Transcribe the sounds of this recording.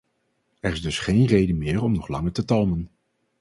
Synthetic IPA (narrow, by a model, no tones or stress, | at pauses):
ɛrɪzdɵsχejnrejdənmɪːɹɔmnɔχlɑŋəɹtətɑlˠmən